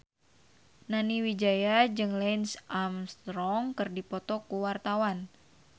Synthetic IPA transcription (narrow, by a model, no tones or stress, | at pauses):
naniwid͡ʒajad͡ʒɨŋlɛnsʔamst̪ɾɔŋkɨrdipɔt̪ɔkuwart̪awan